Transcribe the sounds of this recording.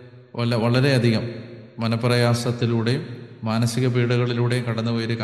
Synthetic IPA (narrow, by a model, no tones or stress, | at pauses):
ʋɐlʋɐɭɐɾe̞ɐd̪ʱiɣɐmːɐnɐpːrɐjaːsɐt̪ːiluːɽe̞jmmaːnɐsiɣɐbiːɽuɣɐɭiluːɽe̞kɐɽɐnːuʋɐjɾuk